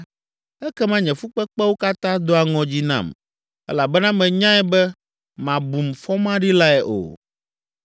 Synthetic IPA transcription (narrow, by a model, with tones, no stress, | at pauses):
ɛ˦kɛ˦mã˦ɲɛ̃˨fu˦k͡pɛ˦k͡pɛ˦wo˦ka˦t̪ã˦d̪o˦a˨ŋɔ̃˨d͡ʑi˦nã̰˦˨m | ɛ̰˦la˨bɛ˦nã˦mɛ̃˨ɲã˦ɛ˦bɛ˦ | mã˨bu˨mfɔ˦mã˦ɖi˦la˦ɛ˨ʔo̰˨